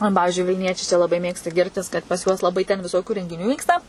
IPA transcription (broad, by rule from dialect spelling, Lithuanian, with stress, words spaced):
oː ˈpɑːʋʲɪʒʲʊɪ ʋʲɪlʲˈnʲiɛt͡ʃʲɛɪ t͡ʃʲɛ ˈlˠɑːbɐɪ ˈmʲeːkstɐ ˈɡʲɪrʲtʲɪs kɐt pɐs ˈjuɔs lˠɐˈbɐɪ tʲɛn ʋʲɪˈsoːkʲʊ rʲɛŋʲɡʲɪˈnʲuː ˈʋʲiːkstɐ